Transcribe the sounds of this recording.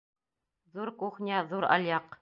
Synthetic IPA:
ðuɾkuχnʲiæðuɾɑ̰lʲjɑq

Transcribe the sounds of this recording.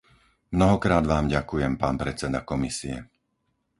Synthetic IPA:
mnɔɦɔkɾaːd̪ʋaːmɟakujɛmpaːnpɾɛt͡sɛd̪a̰kɔmisiɛ̰

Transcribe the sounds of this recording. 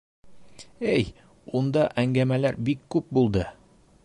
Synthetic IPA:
æj | und̪ɑʔæŋɡæmælæɾbikːʉp̚bulˠd̪ɤ

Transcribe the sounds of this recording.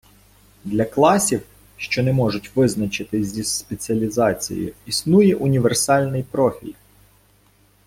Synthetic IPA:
d̪lʲɐklˠɑsʲiw | ʃt͡ʃɔnɛmɔʒʊtʲʋɪznɐt͡ʃɪt̪ɪzʲispet͡sʲiɐlʲizɑt͡sʲḭjɪ̰isnujɛʔʊnʲiʋersɑlʲnɪjpɾɔfʲḭlʲ

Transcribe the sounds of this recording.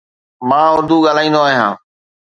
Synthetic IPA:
mãːʊɾd̪uːɠaːlaːĩːnd̪oaːɦijãː

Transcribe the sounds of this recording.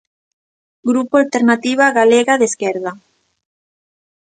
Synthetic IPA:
ɡɾupoalt̪eɾnat̪iβ̞aɣaleɣaðeskɛɾða

